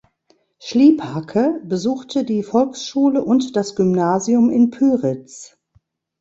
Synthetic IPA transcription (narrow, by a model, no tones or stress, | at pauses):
ʃliːphakʰəbəzuːxtʰədiːfɔlksʃuːləʔʊntd̥asɡ̥ʏmnaːziʊmɪnpʰyːʁɪt͡s